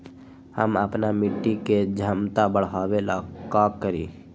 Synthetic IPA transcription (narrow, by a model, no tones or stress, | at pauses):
həməpnamɪʈːiked͡ʒʱəmt̪abəɽ̤aːwelakaːkːəɾḭ